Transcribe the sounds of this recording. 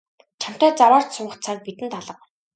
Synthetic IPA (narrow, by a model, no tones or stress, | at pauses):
t͡ɕʰam̥t̪æːt͡saɾaːr̥t̪sʊɴɢə̆t̪t͡sʰak̚pit̪ɘ̆nt̪ʰaɮə̆q̚